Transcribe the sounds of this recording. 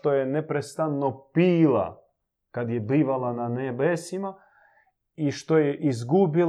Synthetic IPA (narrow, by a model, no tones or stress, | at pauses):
t̪o̞jenepɾest̪anːopiːlˠa̰ | kad̪jebiːʋalananebesima | iʃt̪o̞jeʔizɡubil